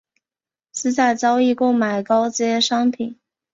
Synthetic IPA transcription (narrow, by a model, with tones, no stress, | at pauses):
sɹ̩˥˧t͡sa˥˩ɪt͡sɑ˥ʊi˥˩kʊ˥ŋma˨˩ɪkɑ˥ʊt͡ɕɛ˥ʂɑ˥ŋpʰi˨˩˦n